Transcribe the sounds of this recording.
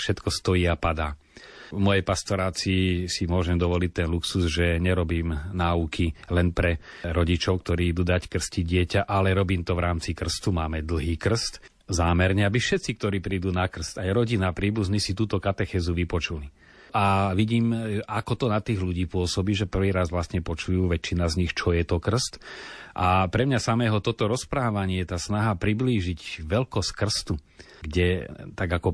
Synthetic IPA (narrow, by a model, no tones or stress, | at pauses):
fʃɛt̪kɔst̪ɔjiːapad̪aː | mɔjɛpast̪ɔɾaːt͡sisimʊɔʒɛmd̪ɔʋɔlic̚t̪ɛnluksuzʒɛɲɛɾɔbiːmnaːukʰilɛnpɾɛ | ɾɔɟit͡ʃɔʊk̚t̪ɔɾiːid̪uːd̪ackr̩sciɟɪɛcaʔalɛɾɔbiːmt̪ɔʋɾaːmt͡sikr̩st̪umaːmɛd̪l̩ˠɦiːkr̩st̪ | zaːmɛɾɲɛabifʃɛt̪t͡sik̚t̪ɔɾiːpɾiːd̪uːnakr̩st̪ajɾɔɟinapɾiːbuznisit̪uːt̪ɔkat̪ɛxɛːzuʋipɔt͡ʃuli | aʋiɟiːmakɔt̪ɔnat̪iːɣʎuɟiːpʊɔsɔbiːʒɛpr̩ʋiːɾazʋlast̪ɲɛpɔt͡ʃujuːʋɛt͡ʃːinazɲixt͡ʃɔjɛt̪ɔkr̩st̪ʔapɾɛmɲasamɛːɦɔt̪ɔt̪ɔɾɔspɾaːʋaɲɪɛt̪aːsnaɦapɾibliːʒiɟʋɛlkɔskr̩st̪u | ɡɟɛt̪aɡakɔ